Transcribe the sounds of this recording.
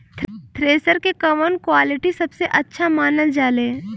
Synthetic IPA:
t̪ʰɾeːsəɾkekɐʋənkwaːlɪʈisɐbseʔɐtːʃʰamaːnəld͡ʒaːlẽː

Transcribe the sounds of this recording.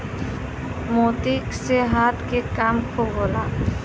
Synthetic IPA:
mot̪ikseɦat̪kekamkʰoɡola

